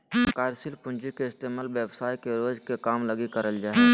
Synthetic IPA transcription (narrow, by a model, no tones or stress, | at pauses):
kaːɾsilpʊnd͡ʒikeɪst̪eːmaːlʋebsaːjkeɾoːd͡ʒkekaːmləɡikəɾəld͡ʒaːe